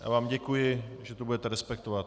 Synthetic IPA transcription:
ʔa̰vaːmɟɛkujɪʒɛt̪obudɛt̪ɛɾɛspɛk̚t̪ovat̪

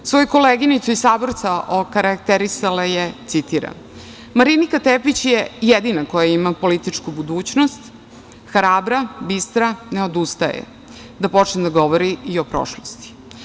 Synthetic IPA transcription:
sʋo̞juko̞leːɡinit̪suisaːboɾt̪saʔokaɾakt̪eɾisalajet̪sit̪iɾa̰n | maɾinikat̪epit͡ɕjejed̪inako̞jaimapo̞lit̪it͡ʂkubud̪uːt͡ɕnost̪ | xɾaːbɾabist̪ɾane̞o̞d̪ust̪ajḛ | d̪apo̞t͡ʃned̪aɡo̞ʋoɾiio̞pɾo̰ʃlost̪i̥

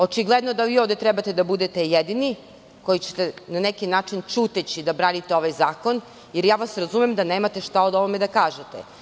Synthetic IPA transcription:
o̞t͡ʃiɡlˠed̪no̞d̪aʋioʋd̪et̪ɾɛbat̪ed̪abud̪et̪ejed̪ini | kojit͡ɕet̪enanekinaːt͡ʃint͡ʃut̪et͡ɕid̪abɾaːnit̪eo̞ʋajzaːko̞n | jeɾjaːʋasɾazumemd̪aneːmat̪eʃt̪aod̪oʋomed̪akaːʒet̪ḛ

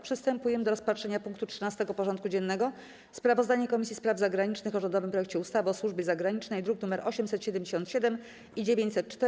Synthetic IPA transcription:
pʂɘst̪ɛmpujɛmɘd̪ɔɾɔspatʂɛɲapuŋkt̪utʂɘnast̪ɛɡɔpɔʐɔnt̪̚kud͡ʑɛnːɛɡɔ | spɾavɔzd̪aɲɛkɔmʲisʲispɾavzaɡɾaɲit͡ʂnɘxɔʐɛnd̪ɔvɘmpɾɔjɛkt͡ɕɛust̪avɘɔswuʐbʲjɛzaɡɾaɲit͡ʂnɛjd̪ɾuknumɛɾʔɔɕɛmsɛt̪ɕɛd̪ɛmʲd͡ʑeɕɔnt̪ɕɛd̪ɛm | id͡ʑevʲjeɲt͡ɕsɛt̪̚t͡ʂt̪ɛ

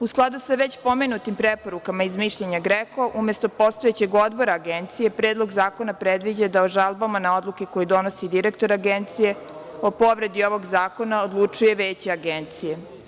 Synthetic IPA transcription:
usklˠad̪usaʋet͡ɕpome̞nut̪impɾepo̞ɾukamaizmiʃʎeɲaɡɾeko̞ʔumje̞st̪o̞po̞st̪oet͡ɕe̞ɡo̞d̪bo̞ɾaːɡent̪sije̞pɾeːd̪lˠo̞ɡzaːko̞napɾed̪ʋid͡ʑad̪aoʒalˠbamanao̞d̪luke̞kojid̪o̞no̞sid̪iɾekt̪o̞ɾaɡent̪sije̞ | o̞po̞ʋɾe̞d̪io̞ʋo̞ɡzaːko̞naod̪lˠut͡ʂuje̞ʋeːt͡ɕiaɡent̪sije̞

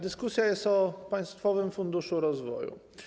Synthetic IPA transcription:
d̪ɘskusʲjajɛst̪ɔpaj̃st̪fɔvɘmfund̪uʂuɾɔzvɔ̰jṵ

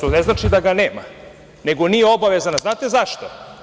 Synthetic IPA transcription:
oneznat͡ʃid̪aɡane̞ːma̰ | ne̞ɡo̞nijeo̞baʋezanaznaːt̪e̞zaʃt̪o

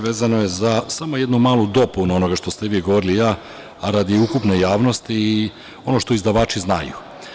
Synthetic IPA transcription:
ʋe̞ːzano̞jezasamo̞je̞d̪numaːlˠud̪o̞punuo̞no̞ɡaʃt̪o̞st̪eʋiːɡo̞ʋo̞ɾilijaː | aɾad̪iukupne̞jaːʋno̞st̪iː | o̞no̞ʃt̪o̞izd̪aʋaːt͡ʃiznajṵ

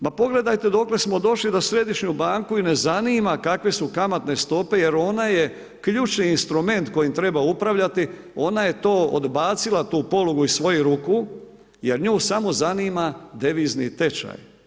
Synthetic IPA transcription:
papo̞ɡle̞d̪ajt̪e̞d̪o̞kle̞smo̞d̪o̞ʃlid̪asɾe̞d̪iʃɲubaːŋkuine̞zaniːmakakʋe̞sukamat̪ne̞st̪o̞pe̞je̞ɾo̞naje̞ | kʎuːt͡ʃniːnst̪ɾume̞nt̪ko̞jimt̪ɾe̞baupɾaʋʎat̪i | o̞naje̞t̪o̞ːo̰d̪baːt̪silat̪uːpo̞loɡuisʋo̞juɾuku | je̞ɾɲuːsamo̞zaniːmad̪eʋiːznḭt̪e̞t͡ʃa̰j

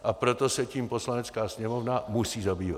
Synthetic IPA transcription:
ʔapɾo̞t̪o̞sɛciːmpo̞slanɛt͡skaːsɲɛmo̞vnamusiːzabiːva̰t̪

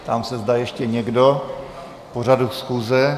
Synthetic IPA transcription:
t̪amsɛzdaːjɛʃcɛɲɛɡdo | por̝adusxuːzɛ

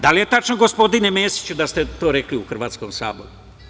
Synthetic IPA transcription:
d̪alije̞t̪at͡ʃnoɡospo̞d̪inemeːsi̥t͡ɕud̪ast̪e̞t̪o̞ːɾekliuxr̩ʋaːt̪sko̞msa̰ːbo̰ɾu

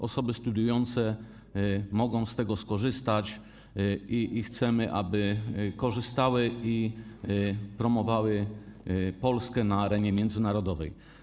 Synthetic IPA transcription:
ʔɔsɔbɘst̪ud̪jujɔnt̪sɛ | mɔɡɔ̃w̃st̪ɛɡɔskɔʐɘst̪at͡ɕ | iʔixt̪sɛmɘʔa̰bɘkɔʐɘst̪awɘi | pɾɔmɔvawɘ | pɔlskɛnaːɾɛɲɛmʲjɛnd̪zɘnaɾɔd̪ɔvɛ̰j

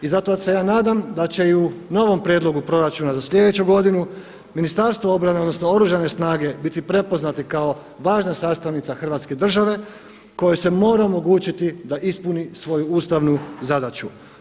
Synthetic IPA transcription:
izat̪osejaːnaːd̪amd̪at͡ɕe̞iuno̞ʋo̞mpɾjed̪lˠo̞ɡupɾo̞ɾat͡ʃunazasʎe̞d̪e̞t͡ɕuɡo̞d̪inu | minist̪aɾst̪ʋoo̞bɾaneo̞d̪no̞snoo̞ɾuʒane̞snaːɡe̞bit̪ipɾe̞po̞znat̪ikao̞ | ʋaːʒnasaːst̪aʋnit̪saxr̩ʋat̪ske̞d̪r̩ʒaʋe̞ | ko̞jese̞mo̞ːɾaomo̞ɡuːt͡ʃit̪id̪aʔispunisʋo̞juuːst̪aʋnuzad̪at͡ʃu

